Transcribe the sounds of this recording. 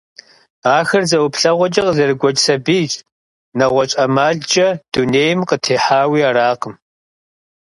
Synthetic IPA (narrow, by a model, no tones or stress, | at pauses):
aːxɐrzɐwʊpʰɬɐʁʷɔd͡ʒʼɐqəzɐrɨɡʷɔt͡ʃʼsɐbiːt͡ʃʼ | nɐʁʷɔt͡ʃʼɐmaːɮd͡ʒʼɐd̥uneːjmqətʰeːħaːwiːaːɾaːqəm